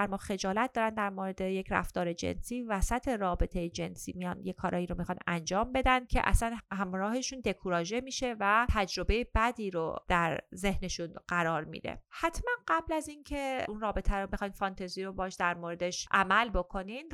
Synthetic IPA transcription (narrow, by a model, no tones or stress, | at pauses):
æɾmɒːxe̞d͡ʒɒːlæt̪̚ʰd̪ɒːɾænd̪æɾmoɾe̞d̪e̞jecʰɾæ̰ft̪ɒːɾe̞d͡ʒḛnsiːvæsæt̪ʰe̞ɾɒːbe̞t̪ʰe̞jed͡ʒe̞nsḭːmijɒnjekʰɒːɾʔɒːjiːɾomixɑnænd͡ʒɒːmbe̞d̪ænd̪̥̚cʰḛʔæ̰sænhæmɾɒːhe̞ʃund̪e̞kʰuɾɒːʒemiːʃe̞væt̪ʰæd͡ʒɾo̞be̞jebæd̪iːɾo̰d̪̥æɾze̞hne̞ʃunɢ̥æɾɒːɾmḭːd̪ḛhæt̪ʰmænɢæblæzincʰe̞unrɒːbe̞t̪ʰæɾomixɒjnfɒnt̪ʰeziːɾo̞bɒːʃd̪æɾmoːɾe̞d̪eʃʔæmælbokʰo̞nin